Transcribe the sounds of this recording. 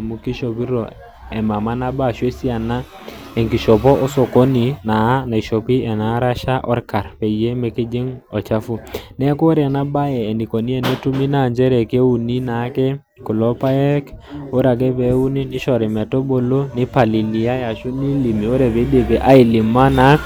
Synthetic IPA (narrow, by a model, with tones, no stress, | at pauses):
mu˦ki˦ʃo˨pi˦ɾɔ̰˨ | ɛ˨ma˨ma˦na˦ba˦˨ʃe˦si˦a˨na˦ | ɛ˨ŋki˨ʃɔ˨pɔ˦ʔɔ˦so˨ko˦ni˨na˨˦na˨i˨ʃɔ˨pi˦ɛ˨na˨˦ɾa˦ʃa˦ʔɔ˦ɾka˨ɾpɛ˨je˦mɛ˨ki˦d͡ʒi˦ŋɔ˨t͡ʃa˦fu˦nɛ˦ko˦ɾɛ˨a˨na˦ba˦jɛː˨ni˨ko˨ni˦ɛ˨ne˦tu˦mi˦na˦˨ɲd͡ʒɛ˦ɾɛ˨ke˦u˨ni˦na˨˦kɛ˦ | ku˨lɔ˦pa˦jɛ˦ko˦ɾa˨k̬ɛ˦bɛ˨˦u˦ni˦ni˦ʃɔ˨ɾi˨mɛ˨tɔ˦bo˨lo˦ni˦pa˨li˨li˨a˦ja˨ʃu˦ni˦li˨mi˨o˦ɾɛ˨be˨˦be˨be˨ʔa˦i˨li˨ma˦na˨˦